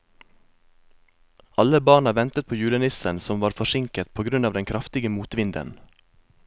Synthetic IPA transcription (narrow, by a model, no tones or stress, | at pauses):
ʔɑləbɑːɳɑʋɛnt̪ət̪̚pʰoːjʉːlənɪsənsɔmʋɑːɾfɔʃɪŋkət̪̚pʰoːɡɾʉnɑːʋd̪ɛŋkʰɾɑft̪ɪɡəmuːt̪ʋɪnd̪ə̰n